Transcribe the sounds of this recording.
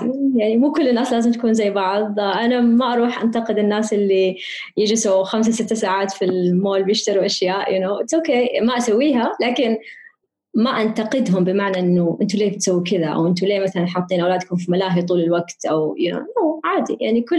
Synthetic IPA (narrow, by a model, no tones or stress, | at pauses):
jaʕnimuːkʊlːɪnːaːslaːzɪmt̪ḁkuːnzajːbɑʕðˤʔanamaʔɑɾˤuːħʔa̰nt̪aqɪd̪ɪnːaːsʔɪlːi | jɪd͡ʒɪsuxams̬awsɪt̪ːasaːʕaːt̪filmoːlbjɪʃt̪ɑɾuʔaʃjaːʔjʊnoːɪsokeːmaʔasawːiːɦalaːkɪn | maʔant̪aqɪd̪ɦʊmbɪmaʕnaʔɪnːʊʔɪnt̪uleːbɪt̪sawːikɪðaʔa̰wʔɪnt̪uleːmaθalanħɑt̪ˤːiːnʔawlaːd̪kʊmfimalaːħit̪ˤuːlɪlwaɡt̪ʔawjɪno̰joːʕaːd̪ḭja̰ʕnikʊ